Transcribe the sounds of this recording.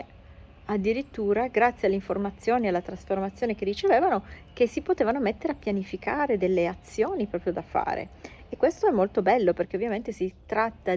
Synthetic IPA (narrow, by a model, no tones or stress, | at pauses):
ad̪ːiɾit̪ːuːɾaɡɾat̪sːjealːeiɱformat̪sːjoːnialːat̪ɾasformat̪sːjoːnekerːit͡ʃeveːvanokesːipot̪eːvanomet̪ːeɾeapːjanifikʰaːɾed̪elːeat̪sːjoːnipɾɔːpɾjod̪afa̰ːɾḛː | kːwest̪oɛmːolt̪obɛlːoperkeovːjament̪esit̪ɾat̪ːa